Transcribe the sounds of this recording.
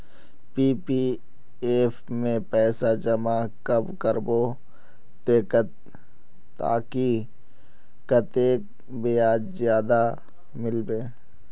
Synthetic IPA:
piːpi | eːpʰ | mẽpɛːsad͡ʒɐmakəbkəɾbo | t̪eːkət̪ː | a̰ːki | kət̪eːk̚ | bɪjaːd͡ʒzjaːd̪a | mɪlbeː

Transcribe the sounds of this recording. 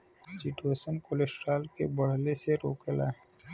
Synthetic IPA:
siʈuesənkolesʈɾalkebəɽ̤leseɾoːkela̰

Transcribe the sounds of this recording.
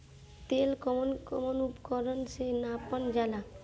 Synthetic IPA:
t̪elkɔmonkɔmonupkɔɾonsenapand͡ʒala

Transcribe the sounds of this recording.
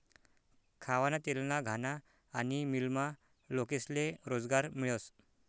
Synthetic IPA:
kʰaʋanat̪elnaɡʱanaː | nimilma | lokesleɾod͡zɡaɾmiɭos

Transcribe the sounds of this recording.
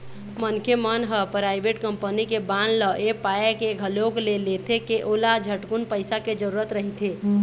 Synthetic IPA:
mənkʰjemənɦəpɾajbʱeʈkəmpənikebanləʔepaekeɡʱəloklelet̪ʰekeʔolad͡ʒʱəʈkunpəɪsaked͡ʒəɾuɾət̪ɾəɦit̪ʰe

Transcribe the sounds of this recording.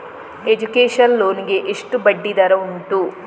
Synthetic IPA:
ed͡ʒukeːʂɐnloːniɡeʔeʂʈubɐɖːid̪ɐɾɐuɳʈu

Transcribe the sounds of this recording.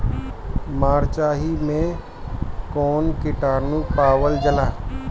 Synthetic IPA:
maːɾt͡ʃaːɦimẽ | kɔːnkɪʈaːɾnũpaːwəld͡ʒəlaː

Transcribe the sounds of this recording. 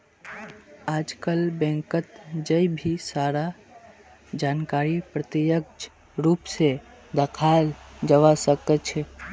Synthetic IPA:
ad͡ʒkəlbɛ̃ŋkət̪d͡ʒəibʱisaɾa | d͡ʒankaɾipɾət̪ijəkd͡ʒ | ɾupse | d̪əkʰald͡ʒəʋasəkətt͡ʃʰɛ

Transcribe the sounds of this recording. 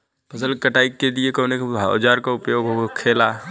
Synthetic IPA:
pəsəlkəʈaikːeliekənekːd͡ʒaɾkaupjoɡɦokʰela

